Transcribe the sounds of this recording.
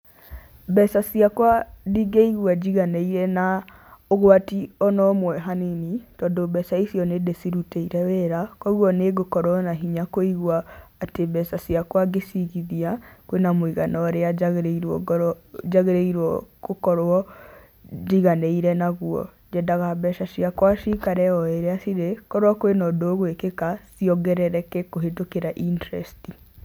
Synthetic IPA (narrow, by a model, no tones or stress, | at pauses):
bɛsasiakwadiɡeiɣwad͡ʑiɣaneiɾɛna | oɣoatiɔnɔmwɛɦaninitɔːndobɛsaisiɔnedesiɾuteiɾɛwɛɾakɔɣuɔneɡokɔɾwɔnaɦiɲakoiɣwaːtebɛsasiakwaɡesiɣiðiakwenamoiɣanɔɾeaaɣɾiɔ | d͡ʒaɣeɾeiɾwɔkokɔɾɔ | d͡ʒiɣanɛiɾɛnaɣuɔ̰ | d͡ʒɛdaɣabɛʃasiakwaʃikaɾɛɔeɾeasiɾekɔɾwɔkoenɔdoɣwekekasiɔɡɛɾɛɾɛkɛkoɦetokeɾaʔintɛɾɛ̰sti